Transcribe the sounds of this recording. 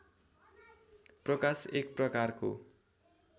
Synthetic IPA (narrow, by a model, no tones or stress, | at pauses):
prʌkasek̚prʌkarko̰